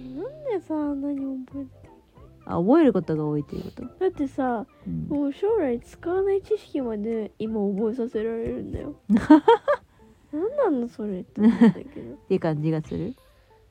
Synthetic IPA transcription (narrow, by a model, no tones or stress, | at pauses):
nãnd̪esanaɲ̟iobo̞eɾɯ̥ak | a̰obo̞e̞ɾɯ̟ko̞t̪o̞ɡaoit̪ojɯ̰ko̥t̪od̪̥at̪ːe̞sa | moːɕo̞ːɾait͡sɨ̥kaβanait͡ɕiɕi̥kʲimad̪e̞imaobo̞e̞sase̞ɾaɾe̞ɾɯ̟̰̃nd̪a̰jo̞ | nãnːãnːoso̞ɾet̪ːad̪a̰kke̞̰d̪o̞t̪ːeiɯkãɲ̟d͡ʑiɡasɨɾɯ